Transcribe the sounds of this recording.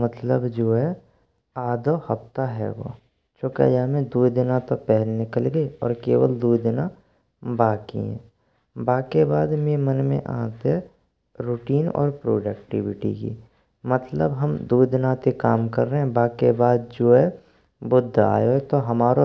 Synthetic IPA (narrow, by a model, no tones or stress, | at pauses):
mət̪ləbd͡ʒoːɦɛ | aːd̪ohɐft̪aɦɛ̰ʋo̰ː | t͡ʃoːka̰jaːmẽd̪uːd̪ɪnãt̪opɛɦɛlnɪkəlɡəiɔ̰ːɾkeːʋəld̪uːd̪ɪna | baːkḭɦɛ̰̃ː | baːkebaːd̪meːmənmḛ̃ʔã̰ːt̪ɛ | ɾuʈiːnɔ̰ːɾpɾo̰ːɖək̚ʈɪʋɪʈḭkḭː | mət̪ləbɦəmd̪uːd̪ɪnãt̪ekaːmkə̰ɾːəɦɛ̃baːkebaːd̪̚d͡ʒoːɦɛ | bʊd̪ʱːa̰ːjoɦt̪oɦɐmaːɾo